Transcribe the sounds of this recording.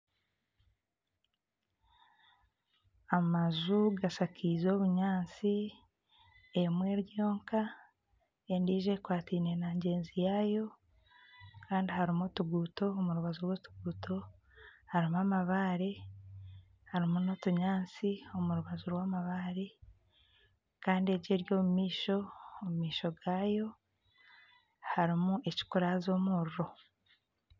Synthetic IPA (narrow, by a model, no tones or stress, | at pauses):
amazuɡasakʰizo̞ːβuɲaːnt͡si | emwe̞ɾjo̞ːŋka | endiːʒe̞kwaːtiːne̞naɲɟe̞ːnzijajo̞ | kaːndihaɾimotuɡuːto̞ːmuɾuβazuɾwotu̥ɡuːtʰo̞ | haɾimuamaβaːɾe | haɾimuno̞tuɲaːnt͡sio̞muɾuβazuɾwaːmaβaːɾe | kaːndie̞ɾɟe̞ɾjo̞ːmumiːʃo̞ːmumiːʃo̞ɡaːjo̞ | haɾimue̞ci̥kuɾazo̞ːmuːɾuɾo̞